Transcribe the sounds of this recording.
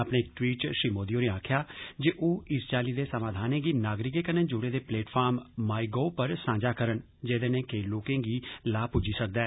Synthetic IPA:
apɽ̃eːɪkʈwiːʈʃɾiːmoːd̪ijoːneːaːkʰjaːd͡ʒeʔoːɪst͡ʃaːliːd̪eːsəmãːd̪ʱaːnẽːɡiːnaːɡɾɪkeːkənẽːd͡ʒʊːɽeːd̪eːpleːʈpʰaːɾmːaːiɡoːpəɾsãːd͡ʒaːkəɾən | d͡ʒeːd̪ẽːnẽːkeːloːkẽːɡiːlaːpʊd͡ʒiːsək̚d̪aɛː

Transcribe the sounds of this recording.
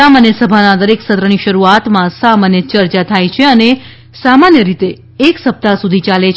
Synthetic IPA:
amanjəsəbʱanad̪əɾeksət̪ɾəɽ̃iʃəɾuat̪mãsamanjət͡ʃəɾt͡ʃat̪ʰajt͡ʃʰeəne | samanjəɾit̪eː | ksəp̚t̪asud̪ʱit͡ʃalet͡ʃʰ

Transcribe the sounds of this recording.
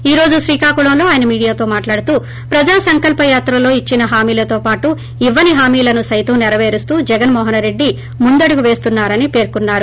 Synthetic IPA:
iːɾo̞ːd͡ʒuʃɾiːkaːkuɭɐmlo̞ːaːjɐnɐmiːɽijaːt̪o̞ːmaːʈlaːɽut̪uː | pɾɐd͡ʒaːsɐŋkɐlpɐjaːt̪ɾɐlo̞ːit͡ʃːinɐɦaːmiːlɐt̪o̞ːpaːʈu | iʋːɐniɦaːmiːlɐnusɐjt̪ɐmnɛɾɐʋe̞ːɾist̪uːd͡ʒɛɡɐnmɔːɦɐnɾe̞ɖːi | mund̪ɐɽuɡuʋe̞ːst̪unːaːɾɐnipe̞ːɾkunːaːɾu

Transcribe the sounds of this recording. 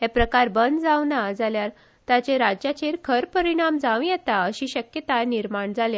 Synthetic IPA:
ɦepɾəkaɾbənd̪d͡zaʋnad͡zaljaɾ | t̪jat͡ɕeɾad͡ʑjat͡ɕeɾkʰəɾpəɾiɽ̃amd͡zaʋjɛt̪aəɕiɕəkjət̪ajniɾmaɳd͡zalja

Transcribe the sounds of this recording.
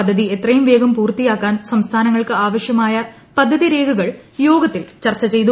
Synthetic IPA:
ɐd̪ʱːɐðiet̪rɐjumʋe̞ːɡɐmpuːrt̪ːijaːkːaːnsɐmst̪ʰaːnɐŋːɐɭkɨaːʋɐɕjɐmaːja | pɐd̪ʱːɐðiɾe̞ːɡuɣɐɭjoːɡɐt̪ːilt͡ɕɐrt͡ɕːɐt͡ɕe̞jt̪u

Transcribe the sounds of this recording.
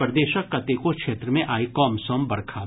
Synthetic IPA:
pɾd̪eːʃəkːɐt̪ekokʃeːt̪ɾəmẽʔaːikɔːmsɔːmbɐɾkʰaː

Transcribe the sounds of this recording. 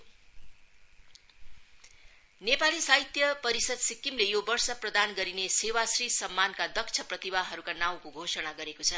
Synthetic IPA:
nepalisaɦit̪jʌpʌɾisʌd̪sikːimlejobʌrsʌprʌd̪anɡʌɾinesewasrisʌmːankad̪ʌkt͡sʰʌprʌt̪ibaɦʌɾukanaw̃koɡʱosʌɽaɡʌɾekot͡sʰʌ

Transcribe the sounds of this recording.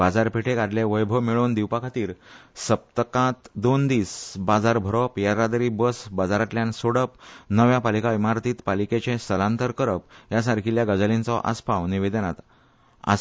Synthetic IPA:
bad͡zaɾpiʈʰekad̪ljeʋəjbʱəmiɭond̪iwpakʰat̪iːɾsəp̚t̪əkãt̪d̪ond̪iːsbad͡zaɾbʱəɾɔpjaɾːad̪əɾibəsbad͡zaɾat̪ljãnsoɽəpnəʋjapalikaʋimaɾt̪iːt̪paliket͡ɕẽsəlãnt̪əɾkəɾəp̚jas̬aɾkʰiljaɡəd͡zəlint͡sɔʔa̰spawniʋed̪ənat̪ | a̰

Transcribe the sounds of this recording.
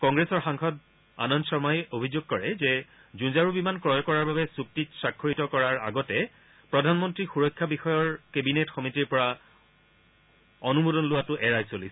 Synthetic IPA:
kɔŋɡɹesɔɹxaŋxɔd | a̰nɔnsɔɹmajobʱizuɡ̚kɔɹɛzɛ | zũzaɹubimankɹɔjɔkɔɹaɹbabɛsuk̚titsakʰːoɹitɔkɔɹaɹa̰ɡɔtɛ | pɹɔdʱanmɔntɹixuɹɔjkʰːabixɔjɔɹkebinetxɔmitiɹpɔɹa | ɔnumodɔnlʊwatʊʔɛɹajsolisɛ

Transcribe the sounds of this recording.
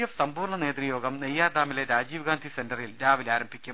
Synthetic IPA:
jɐfsɐmbuːrɳɐne̞ːt̪rijo̞ːɡɐmnejːaːrd̪aːmileɾaːd͡ʑiːʋɡaːnd̪ʱisendɐrilɾaːʋilaːɾɐmbʱikʲːum

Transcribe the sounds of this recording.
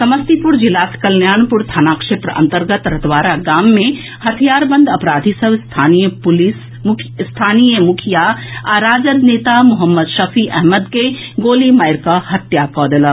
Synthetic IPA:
sɐməst̪ipʊɾd͡ʒɪlaːskɐlnjaːnpʊɾt̪ʰaːnaːkʂɪt̪ɾəɐ̰̃nt̪əɾɡət̪ɾɐt̪ʋaːɾaɡaːmːẽ | hɐt̪ʰijaːɾbə̃nd̪ɐpɾaːd̪ʱisəbst̪ʰaːnijəpʊlis | mʰst̪ʰaːnijəmʊkʰijaaɾaːd͡ʒəɾneːt̪amʊɦəmːəd̪ʃɐfʰiʔɛɦməd̪keɡoːlimaːjɾkahɐt̪jakɔːd̪ələ

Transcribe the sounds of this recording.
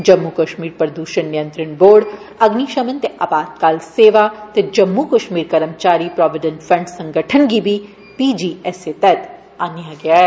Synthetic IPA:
d͡ʒɐmːukɐʃmiːɾpɾəd̪uːʃənːɪjə̃nt̪ɾəɳboːɾɖ | ɐɡniʃɐmə̃nt̪eʔabaːt̪̚kaːlseːʋat̪ed͡ʒɐmːukɐʃmiːɾkɐɾəmt͡ʃaːɾipɾɔːʋɪɖə̃nʈfɾɐ̃ɳɖsɐ̃ŋɡʱəʈʰənɡibʱi | piːd͡ʒiːɛset̪ɛt̪ | aːnijaɡɪjaɛː

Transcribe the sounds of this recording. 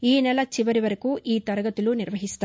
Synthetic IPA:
iːnɛlɐt͡ʃiʋɐɾiʋɐɾekuʔiːt̪ɐɾɐɡɐt̪iluniɾʋɐɦist̪a

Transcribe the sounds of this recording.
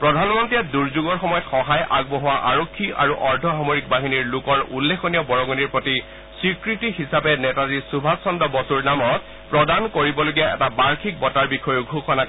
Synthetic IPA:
pɹɔdʱanmɔntɹiɛduɹzuɡɔɹxɔmɔjɔtxɔɦajʔaɡ̚bɔɦɔwaʔaɹɔkʰːia̰ɹuʔɔɹdʱɔɦamɔɹik̚baɦiniɹlukɔɹʔṵlːekɔnijɔbɔɹɔɡɔniɹpɹoti | sɹikɹitiɦisapɛnɛtazisubʱasɔndɔbɔsuɹnamɔt̚ | pɹɔdankoɹibɔloɡiaɛ̰tabaɹkʰik̚bɔtaɹbikʰɔjuɡʱuxɔna

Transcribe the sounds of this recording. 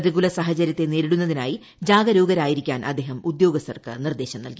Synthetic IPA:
ðiɣulɐsaːɦɐt͡ɕɐɾjɐt̪ːe̞ne̞ːɾiɽunːɐðinaːji | d͡ʑaːɡɐɾoːɡɐɾaːjiɾikʲːaːnʔɐ̰d̪ːe̞ːɦɐmud̪jo̞ːɡɐst̪ːɐrɐkːɨ̰nird̪e̞ːɕɐmnɐ̰lki

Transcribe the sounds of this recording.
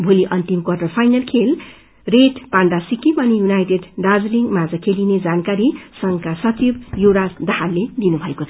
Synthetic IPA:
bʱoliʔʌnt̪imkwʌrʈʌrpʰajnalkʰel | reʈpaɳɖasikimʌnijunajʈeɖɖad͡zliŋɡmad͡zʌkʰelined͡zankaɾisʌŋkasʌt͡sibjuɽad̪ʌɦalːed̪inubʱʌekot͡sʰʌ

